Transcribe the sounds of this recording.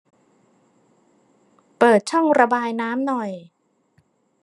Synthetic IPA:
pɤː˨˩t̪̚t͡ɕʰɔ˥˩ŋɾa˧baː˧jnaː˦˥mnɔ˨˩j

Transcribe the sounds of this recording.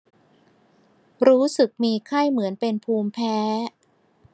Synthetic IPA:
ɾuː˦˥sɯ˨˩k̚miː˧kʰa˥˩jmɯ˩˦ənpe˧npʰuː˧mpʰɛː˦˥

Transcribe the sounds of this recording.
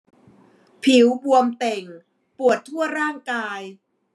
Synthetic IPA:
pʰi˨˩˦wbu˧əmt̪e˨˩ŋ | pu˨˩ət̪ʰːu˥˩ɐɾaː˥˩ŋkaː˧j

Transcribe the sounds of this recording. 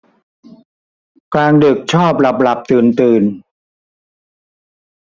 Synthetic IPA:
klaː˧ndɯ˨˩k̚t͡ɕʰɔː˥˩p̚la˨˩p̚la˨˩p̚t̪ɯː˨˩nt̪ɯː˨˩n

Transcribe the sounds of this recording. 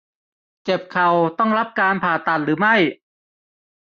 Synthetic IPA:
t͡ɕe˨˩p̚kʰa˨˩wt̪ɔ˥˩ŋɾa˦˥p̚kaː˧npʰaː˨˩t̪a˨˩t̪̚ɾɯː˩˦ma˥˩j

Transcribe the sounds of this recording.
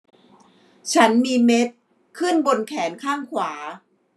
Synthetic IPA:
t͡ɕʰa˦˥nmiː˧me˦˥t̪̚ | kʰɯ˥˩nbo˧nkʰɛː˩˦nkʰaː˥˩ŋkʰwaː˩˦

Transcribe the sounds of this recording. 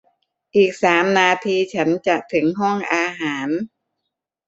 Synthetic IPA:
ʔiː˨˩k̚saː˩˦mnaː˧t̪ʰiː˧t͡ɕʰa˦˥nt͡ɕa˨˩ʔt̪ʰɯ˩˦ŋɦɔ˥˩ŋʔaː˧ɦaː˩˦n

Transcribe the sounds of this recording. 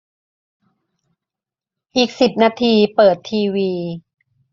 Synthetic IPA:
ʔiː˨˩k̚si˨˩p̚naː˧t̪ʰiː˧pɤː˨˩t̪ʰːiː˧wiː˧

